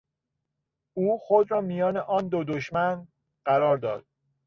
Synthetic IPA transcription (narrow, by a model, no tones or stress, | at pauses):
uːxod̪ɾɒːmijɒːneʔɒːnd̪od̪oʃmæn | ɢ̥æɾɒːɾd̪ɒ̰ːd̪̥̚